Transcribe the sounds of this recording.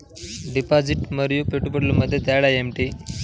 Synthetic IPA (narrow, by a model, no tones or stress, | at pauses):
ɖipad͡ziʈməɾjupeʈupəɽluməd̪ʱːjet̪aɽaemʈi